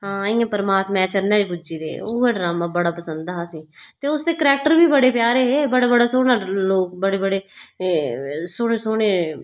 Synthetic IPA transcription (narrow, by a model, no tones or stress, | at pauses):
ɦãːɪːãːpəɾəmaːt̪mɛ̃ːt͡ʃəɾnẽːd͡ʒbʊd͡ʒiːd̪ḛːoːeːɖɾaːmãːbəɽaːpəsənd̪aɦːsiːt̪eːʊsd̪eːkəɾɛːk̚ʈəɾbiːbəɽeːpjaːɾeːɦeːbəɽaːbəɽaːsoːɽaːloːk̚bəɽeːbəɽeː | soːɽeːsoːɽ̃eː